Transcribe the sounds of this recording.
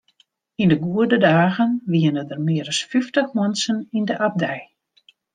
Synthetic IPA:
indəɡuədədaːɣənʋiənədərmɪəɾəsfyftəxmɔnsənindəʔap̚dɛj

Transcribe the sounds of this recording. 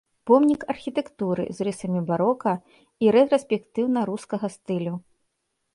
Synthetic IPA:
pɔmnʲikɐrxʲit̪ɛkt̪uɾɨ̰zrɨsɐmʲibaɾɔkɐ | iɾɛt̪ɾɐsʲpʲɛkt̪ɨwnɐɾuskɐɣɐst̪ɨlʲu

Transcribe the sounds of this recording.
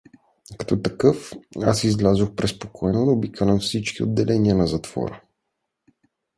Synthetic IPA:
kɐ̥t̪ɔt̪ɐkɤfasizlʲazoxpɾɛspokʰɔɛnod̪obikɐlɛnfsit͡ʃkio̰d̪ːɛlʔɛniənɐzɐt̪v̥ɔ̰ɾə̰

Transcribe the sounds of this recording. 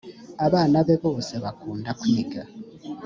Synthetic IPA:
aβaːnaβe̞βo̞ːse̞βakuːndakujiɡa

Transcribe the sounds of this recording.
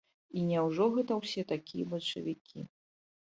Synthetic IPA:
inʲɛwʐɔɣɛt̪ɐwsʲɛt̪akʲʰijɐbɐt͡ʂɐ̰vʲikʲʰḭ

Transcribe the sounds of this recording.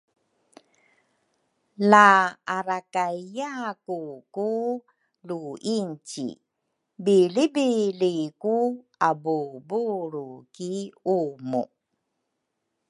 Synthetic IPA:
laːɾakaijakuku | luiɲt͡ɕḭ | bilibiliku | abubuɾukiumṵ

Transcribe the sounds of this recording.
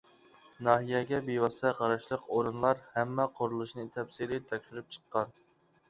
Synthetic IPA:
nɑːɦijɛɡʲɛbejwɑst̪ʰɛqʰɑɾɑʃlˠəqʰoɾɨnlˠɑɾhɛmːɛqʰoɾulˠuʃnɨt̪ʰɛpsiɾɪt̪ʰɛkʲʃyɾyp̚t͡ʃʰə̥qːɑn

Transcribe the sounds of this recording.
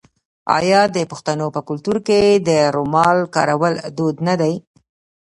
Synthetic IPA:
ɑ̰jɑd̪əpʊxt̪anopəkʊlt̪uɾked̪əɾomɑlkɑ̰ɾawəld̪od̪nad̪aj

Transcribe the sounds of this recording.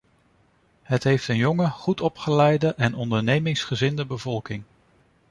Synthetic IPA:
ɦətɦejftənjɔŋəχutɔpχəlɛjdəʔɛnɔndəɹnejmɪŋsχəzɪndəbəvɔlˠkɪŋ

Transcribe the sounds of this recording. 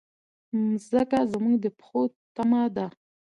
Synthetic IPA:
zəkazəmuŋɡd̪əpxo | t̪amad̪a

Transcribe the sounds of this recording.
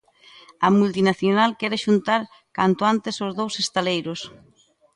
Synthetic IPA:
ɐmult̪inaθjonalkɛɾeʃunt̪aɾ | kant̪ʊant̪esozðowsest̪alejɾos

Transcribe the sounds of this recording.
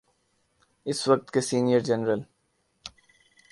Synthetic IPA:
ɪsʋɐk̚t̪kesiːnijəɾd͡ʒɛnɾəl

